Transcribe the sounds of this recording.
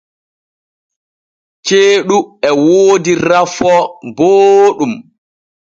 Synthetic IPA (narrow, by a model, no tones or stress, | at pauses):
t͡ʃeːɗuɛwoːdiɾafɔboːɗum